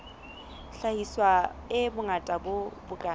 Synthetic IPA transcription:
ɬahiswaɪbʊŋatʼabʊbʊkʼa

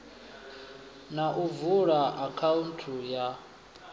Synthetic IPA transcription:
naʔuvuɺaʔakʰauntʰuja

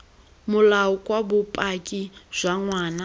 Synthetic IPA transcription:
mulaukʼwabupʼakʼiz̥ʷaŋwaːna

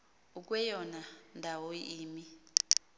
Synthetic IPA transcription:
uk̬wɛjɔnandʱawoiːmi

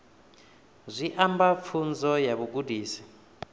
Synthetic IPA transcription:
zʷiʔambafʰund͡zɔjaβuɡudiːsi̥

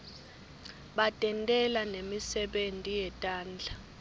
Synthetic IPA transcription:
ɓatʼɛntʼɛlanemisɛɓentʼijɛtʼaːnd͡ɮʱa

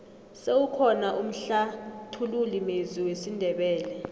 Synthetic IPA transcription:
sewukʰɔnaʔum̩ɬatʰululimeziwesindʱɛɓɛːlɛ

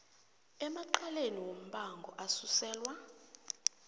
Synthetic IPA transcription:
ɛmaǃaleniwom̩ɓaŋɡʱɔʔasusɛːlwa

